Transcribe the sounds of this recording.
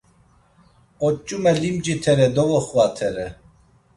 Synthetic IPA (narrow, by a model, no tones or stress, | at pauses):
ɔt͡ʃʼːumɛlimd͡ʒit̪ʰɛɾɛd̪ɔvɔχuvat̪ʰɛɾɛ